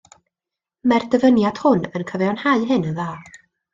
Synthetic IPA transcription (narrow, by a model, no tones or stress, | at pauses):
mɛrdəvənjad̥hʊnənkʰəvɛɔnhaɨɦɨnənðaːr